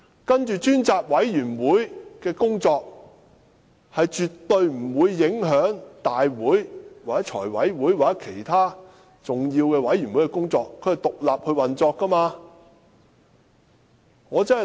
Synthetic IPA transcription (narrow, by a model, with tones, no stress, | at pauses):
kɐ˥nt͡ʃyː˨t͡ʃyː˥nt͡saː˨p̚wɐ˨˥jjyː˨˩nwuː˨˥jkɛː˧kʊ˥ŋt͡sɔː˧k̚ | hɐ˨jt͡ʃyː˨tt̪ːɵ˧ɥm̩˨˩wuː˨˧jːɪ˨˥ŋɦœː˨˥ŋt̪aː˨jwuː˨˥jwaː˨k̚ɛ˨˦˥t͡ʃʰɔ̰ː˨˩jwɐ̰˨˥jwuː˨˥jwaː˨k̚t͡sɛ˦˥kʰe˨˩jt̪ʰaː˥ | t͡sʊ˨ŋji˧wkɛː˧wɐ˨˥jɥyː˨˩nwu˨˥jkɛ˧kʊ˥ŋt͡sɔː˧kʰːɵ˨˧ɥhɐ˨˩jt̪ʊ˨k̚laː˨p̚hɵ˧ɥwɐ˨nt͡sɔː˧kːɐ˥maː˧ | ŋɔː˨˧t͡sɐ˥nɐ˨